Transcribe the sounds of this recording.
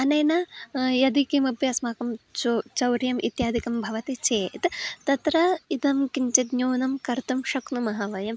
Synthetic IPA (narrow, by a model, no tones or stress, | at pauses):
ɐnɐjnɐjɐd̪ikimɐpjɐsmaːkɐmt͡ʃot͡ʃɐwɾjɐmʔḭt̪jaːd̪ikɐmbʱɐʋɐt̪it͡ʃeːt̪t̪ɐt̪ɾɐid̪ɐmkiɲt͡ʃɐt̪ɲoːnɐmkɐɾt̪umʃɐknumɐɦɐʋɐjɐm